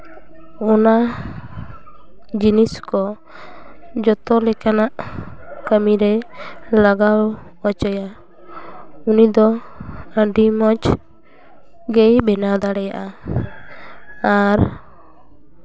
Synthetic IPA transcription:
ɔna | d͡ʒiniskɔ | d͡ʒɔt̪ɔlɛkanaʔkəmiɾɛlaɡaw | at͡ʃɔja | unid̪ɔəɖimɔt͡ʃ | ɡɛjbɛnad̪aɽɛja̰ʔa | aɾ

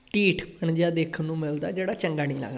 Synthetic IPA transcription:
ʈiːʈʰpəɳd͡ʒaːd̪eːkʰənːũːmɪld̪a̰ːd͡ʒeːɽaːt͡ʃəŋɡaːnĩːla̰ːɡna

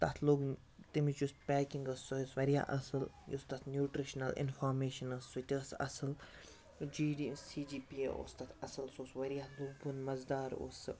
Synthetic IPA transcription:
t̪ɐt̪ʰluɡ | t̪imit͡ʃuspɛːkiŋɡɐsːoisʋɐɾija̰ʔɐsɨljust̪ɐt̪ʰnjuːʈɾiʃnɐlɪ̰nfaːɾmeːʃɐnɐssut̪ʲisɐ̰sɨl | d͡ʒiːɖisiːd͡ʒiːpiḛʔo̰ːst̪ɐt̪ʰɐsɐlsosʋɐɾijaluɡbunmɐzd̪aːɾo̰s

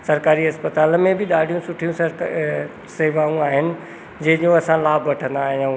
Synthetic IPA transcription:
sɐɾkaːɾiɦɐspət̪aːlmẽbɪɗ̪aːɽʱijũsʊʈʰijũs | seːʋaːũaːɦɪnɪ̆ | d͡ʑɐ̃ɦɪ̃d͡ʑõɐsãlaːbʱʋɐʈʰə̃nd̪aːɦijã

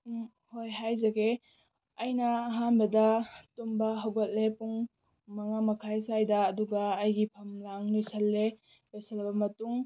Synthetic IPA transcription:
hojɦajzɐɡe | ɐjnɐːɦanbɐdɐtumbaɦawɡɐt̚lepuŋ | maŋamɐkʰajsajdaːduɡaːjɡipʰɐmlaŋlejsɐlːe | lejsɐlbɐmɐtuŋ

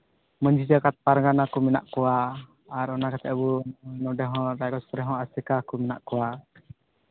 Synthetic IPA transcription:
məɲd͡ʒid͡ʒakat̪̚paɾŋanakumina̰ʔkuaː | ɾɔnakat̪ɛʔbunɔdɛɦɔɾakɔspɔɾɛɦɔ̃asɛkakumina̰ʔkua

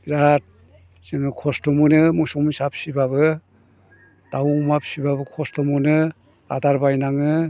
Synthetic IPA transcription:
ɾat̚ | sɯŋɯkʰɔstɔmunɯmusɔŋmisap̚sibaβɯ | tawmapsibabɯkʰɔstɔmunɯ | a̰daɾbajnaŋɯ

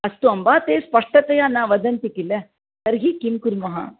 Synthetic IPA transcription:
ɐst̪uɐmbaːt̪eːspɐʂʈɐt̪ɐjaːnːɐʋɐd̪ɐnt̪ikile | sɐɾɡikimkuɾmɐɦɐ̰

